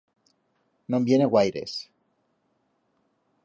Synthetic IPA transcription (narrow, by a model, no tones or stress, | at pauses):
nõmbjeneɣwajɾḛs